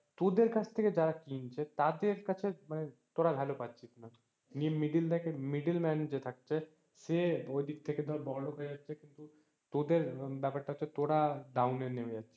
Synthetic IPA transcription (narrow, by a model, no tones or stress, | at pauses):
t̪od̪eɾkat͡ʃʰt̪ʰeked͡ʒaɾakint͡ʃʰɛt̪ad̪eɾkət͡ʃʰemanet̪oɽabʱɛlopat̪t͡ʃʰit̪na | nimiɖilt̪ɛkemiɖilmɛnd͡ʒet̪ʰɐk̚t͡ʃʰɛ | seoid̪ikt̪ʰeked̪ʱɔɾbɔɾlokəɾid͡ʒatːt͡ʃʰekint̪u | t̪od̪eɾbɛpəʈʈ̪aɦot͡ʃʰet̪oɽaɖ̪auneneʋed͡ʒatːt͡ʃʰe